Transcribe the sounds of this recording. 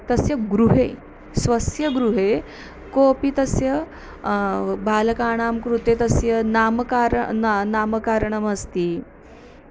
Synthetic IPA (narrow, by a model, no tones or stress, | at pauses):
t̪ɐsjɐɡɾuɦe | sʋɐsjɐɡɾuɦe | koːpit̪ɐsjɐ | bʱaːlɐkaːɽ̃aːmkɾut̪et̪ɐsjɐnaːmkaːɾnaːməkaːɾəɳɐmɐst̪iː